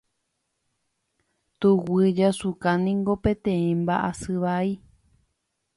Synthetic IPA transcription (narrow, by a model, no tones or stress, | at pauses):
t̪uwɨd͡ʒasukãnĩŋɡo̞pẽ̞t̪ẽĩmbaʔasɨʋai